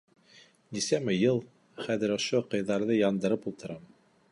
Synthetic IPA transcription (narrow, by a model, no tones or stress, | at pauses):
nisæmɘjɤlˠ | χæðɘɾŏʃoqɤ̆jðɑɾðɤjɑnd̪ɤ̆ɾɤpulˠt̪ɤ̆ɾɑm